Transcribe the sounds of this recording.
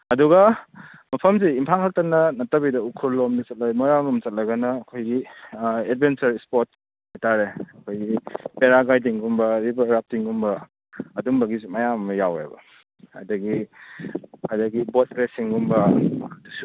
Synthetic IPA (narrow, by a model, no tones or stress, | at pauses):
ɐduɡɐmɐpʰɐmzeimpʰaŋhak̚tɐnɐnɐtɐbidɐukʰuɾlomnisɐt̚lɐmojɾaɡumt͡ʃɐt̚lɐɡɐnɐːkʰojɡied̚bensɐɾispot̚ | hajtaɾeɐkʰojɡipeɾaɡajdiŋɡumbɐːɾibɐɾap̚tiŋɡumbɐ | ɐduŋbɐɡizumɐjammɐjawḛbɐ̰ | a̰jdɐɡi | hajdɐɡibot̚kɾesiŋɡumbɐɐdusu